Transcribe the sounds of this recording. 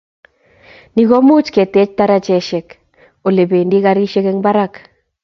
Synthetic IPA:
ni˨ɣo˦mu˦t͡ʃke˨tɛ˨˦t͡ʃta˦ɾa˦t͡ʃɛ˨ʃɛ˨k | o˨le˨be˨ndi˦ka˦ɾi˦ʃe˦kɛ˦ŋba˦ɾa˦k

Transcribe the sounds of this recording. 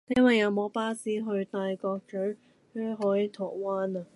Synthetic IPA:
t̪ɛ˥nwɐ˨jɐ˨˧wmo˨˥wpaː˥siː˨˥ɦɵ˧ɥt̪aː˨˧jkɔː˧k̚t͡ʃœ˨˥ | kɵ˥ɦɔː˨˥ji˨˧˥t̪ʰɔː˨˩k̚waː˦˥na˨˧

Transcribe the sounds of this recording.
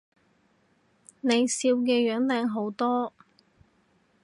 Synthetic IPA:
ne˨˧jsiː˧wk̬ɛː˧jœː˨˥ŋlɛː˨˥ŋɦo˨˥wt̪ɔː˥

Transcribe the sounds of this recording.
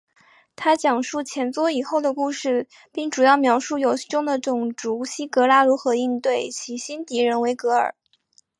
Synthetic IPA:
t̪ʰa˥t͡ɕjɑ˨˩ŋʂu˥˩t͡ɕʰjɛ˧˥nt͡swɔ˥i˨˩xo˥˩ʊd̪ə˩ku˥˧ʂɻ̩˥˧ | pi˥˩ŋʈ͡ʂu˨˩jɑ˥˩ʊmjɑ˧˥ʊʂu˥˩jo˨˧˩ʊi˥˩ʈ͡ʂʊ˥˩ŋd̪ə˩ʈ͡ʂʊ˨˩ŋʈ͡ʂu˧˥ɕi˥kɤ˧˥la˥lu˧˥xɤ˧˥i˥˧nt̪we˥˩ɪt͡ɕʰi˧˥ɕi˥nt̪i˧˥ɻə˧˥nwe˧˥ɪkɤ˧˥ə̰˞˨˩˦

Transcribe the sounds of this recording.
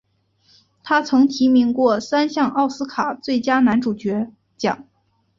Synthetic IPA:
t̪ʰa˥t͡sʰɤ˧˥ŋt̪ʰi˧˥mi˧˥ŋkwɔ˥˩sa˥nɕjɑ˥˧ŋʔɑ˥˩ʊsɹ̩˥kʰa˨˩˦t͡swe˥˩ɪt͡ɕja˥na˧˥nʈ͡ʂu˨˩t͡ɕɥɛ˧˥ | t͡ɕjɑ̰˨˩˦ŋ

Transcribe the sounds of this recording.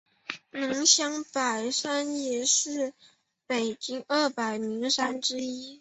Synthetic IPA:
nɤ˧˥ŋɕjɑ˥ŋpa˨˩ɪʂa˥njɛ˨˩ʂɻ̩˥˩ | pe˨˩ɪt͡ɕi˥ŋə˥˩pa˨˩ɪmi˧˥ŋʂa˥nʈ͡ʂɻ̩˥i˥

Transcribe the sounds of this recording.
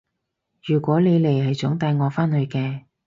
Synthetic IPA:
jyː˨˩kʷɔː˨˥le˨˧jle˨˩jhɐ˨jt͡sʊ˨˥ŋt̪aː˧jŋɔː˨˧faː˥nhɵ˨˧ɥkɛː˧

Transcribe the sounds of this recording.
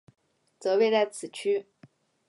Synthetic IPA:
t͡sɤ˧˥pe˥˧ɪt͡sa˥˩ɪt͡sʰɹ̩˨˩t͡ɕʰy˥

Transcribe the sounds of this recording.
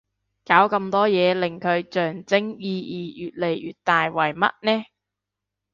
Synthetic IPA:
kaː˨˥wkɐ˧mt̪ɔː˥jɛː˨˧lɪ˨˩ŋkʰɵ˨˧ɥt͡ʃœː˨˩ŋt͡sɪ˥ŋjiː˧jiː˨jyː˨t̚le˨˩jjy̰ː˨t̚t̪aː˨jwɐ˨˩jmɐ̰˦˥t̚nɛː˥

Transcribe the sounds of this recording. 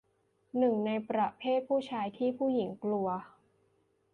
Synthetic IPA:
nɯ˨˩ŋna˧jpɾa˨˧˩pʰeː˥˩t̪̚pʰuː˥˩t͡ɕʰaː˧jt̪ʰiː˥˩pʰuː˥˩ji˩˦ŋklu˧ɐ

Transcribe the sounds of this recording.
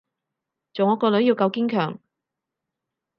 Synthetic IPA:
t͡so˨˩ŋɔː˨˥kːɔː˧lɵ˨˥ɥji˧wkɐ˧wki˥ŋkʰœ̰ː˨˩ŋ

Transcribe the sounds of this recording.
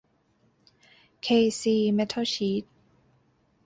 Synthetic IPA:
kʰeː˧siː˧mɛ˦˥t̪ʰo˥˩ɕiː˦˥t̪̚

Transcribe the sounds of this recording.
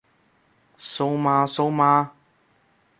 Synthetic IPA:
so˧˥wmaː˧so˧˥wmaː˧

